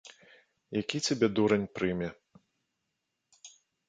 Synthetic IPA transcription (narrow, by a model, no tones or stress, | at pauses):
jakʲit͡sʲabʲɛd̪uɾɐnʲpɾɨmʲɛ